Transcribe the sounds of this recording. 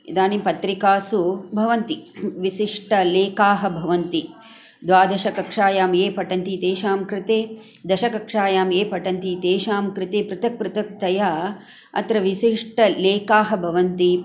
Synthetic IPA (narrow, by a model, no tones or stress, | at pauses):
id̪aːnipɐt̪ɾikaːsubʱɐʋɐnt̪iʋiʃiʂʈɐleːkaːɦɐ̆bʱɐʋɐnt̪i | d̪ʋaːd̪ʱɐʃɐkɐkʂaːjaːmeːpɐʈɐnt̪it̪eːʃaːmkɾɪt̪eː | d̪ɐʃɐkɐkʂaːjaːmeːpɐʈɐnt̪it̪eːʃaːmkɾɪt̪eːpɾɪt̪ɐk̚pɾɪt̪ɐk̚t̪ɐjaː | ɐ̰t̪ɾɐʋiʃiʂʈɐleːkaːɦɐ̆bʱɐʋɐnt̪i